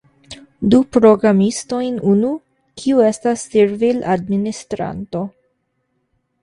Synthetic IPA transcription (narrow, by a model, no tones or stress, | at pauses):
dupɾo̞ɡɾamisto̞jnunu | kʰiue̞stasːeɾvila̰dministɾa̰nto̞